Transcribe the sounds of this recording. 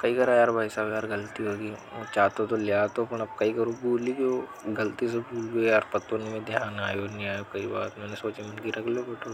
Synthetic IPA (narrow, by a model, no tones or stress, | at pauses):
kɐikɐɾajaːɾbʱaːisaːbjaːɾɡɐlt̪iɦoːɡit͡ʃaːt̪ot̪olɪjaːt̪opɐnɐb̚kaikɐɾobʱuːlibioɡɐlt̪is̬ebʱuːlbijaːɾpɐt̪õnimẽd̪ʱjaːnaːjonĩaːjokɐibaːt̪mɛːnesoːt͡ʃemɐnkiɾɐkʰleobeːʈʰo